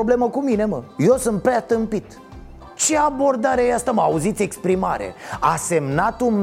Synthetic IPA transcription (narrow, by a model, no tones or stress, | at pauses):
oble̞məkumine̞məje̞wsunt̪̚pɾeat̪ɨmpit̪ | t͡ʃe̞abo̞rd̪aɾeajeast̪əməauzit̪sʲe̞kspɾimaɾḛase̞mnat̪um